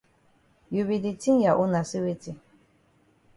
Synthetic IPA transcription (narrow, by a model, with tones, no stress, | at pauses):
ju˨βi˨di˨t͡si˦ŋ˦ja˨ʔu˦na˨si˦we˦t͡si˦